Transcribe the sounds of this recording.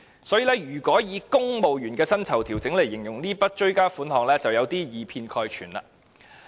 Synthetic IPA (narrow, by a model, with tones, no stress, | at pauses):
sɔː˨˥jiː˨˧lɛː˥jyː˨˩kʷɔː˨˥jiː˨˧kʊ˥ŋmo˨wjyː˨˩nkɛː˧sɐ˥nt͡sʰɐ˨˩wt̪ʰiː˨˩wt͡sɪ˨˥ŋle˨˩jːɪ˨˩ŋjʊ˨˩ŋniː˥pɐ˥t̚t͡ʃɵ˥ɥkaː˥fuː˨˥nhɔː˨˩ŋlɛː˥t͡sɐ˨wjɐ˨˧wt̪iː˥jiː˨˧pʰiː˧nkʰɔː˧jt͡ʃʰyː˨˩nla̰ː˧